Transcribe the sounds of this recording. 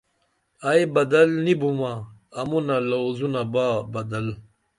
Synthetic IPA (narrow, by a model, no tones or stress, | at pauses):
ajbɐd̪ɐlnibumaɐmunɐlɐːzunabaːbɐd̪ɐl